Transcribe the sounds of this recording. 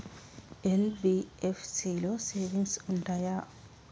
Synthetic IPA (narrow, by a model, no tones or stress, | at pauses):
ɛlbiɛfsilɔseviŋsundaja